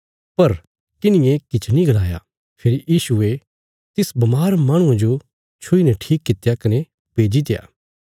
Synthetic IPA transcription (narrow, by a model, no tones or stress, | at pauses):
pɐɾ | t̪ɪnɪjẽkɪt͡ʃʰnĩɡɐlaːja̰ | pʰɪɾijiːsue | t̪ɪsbɐmaːɾmaːɽ̃ũãd͡ʒo | t͡ʃʰʊinɛʈʰiːkːɪt̪jakɐne | beːd͡ʒit̪eja̰ː